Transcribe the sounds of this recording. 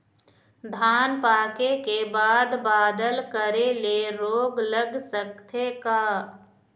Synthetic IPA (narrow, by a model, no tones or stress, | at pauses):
d̪ʱaːnpaːkekebaːd̪baːd̪əlkəɾeleɾoːɡləɡsək̚t̪ʰekaː